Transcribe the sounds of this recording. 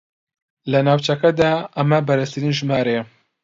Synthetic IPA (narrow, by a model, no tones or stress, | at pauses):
lɐnaːwt͡ʃɐkɐd̪aːɐmɐbɐɾɐst̪ʰɨɾiːnʒɨmaːɾe